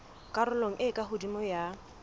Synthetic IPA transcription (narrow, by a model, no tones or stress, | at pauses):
kʼaɾʊloŋ̩ʔɪkʼaɦʊdimɔja